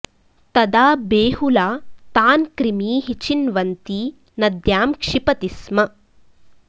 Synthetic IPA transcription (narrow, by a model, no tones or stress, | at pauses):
t̪ɐd̪aːbeːɦulaːt̪aːnkɾimiːɦit͡ʃinʋɐnt̪i | nɐd̪jaːmkʂipɐt̪ismɐ